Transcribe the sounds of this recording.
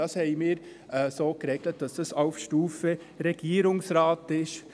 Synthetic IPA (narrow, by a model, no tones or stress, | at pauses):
ɑshɛɪmiːɾ | ɛsoːkɾɛɡlət̚d̥ɑsd̥ɑsaʊfʃtuːfə | ɾɛɡ̥iːəɾʊŋsɾɑːtɪʃ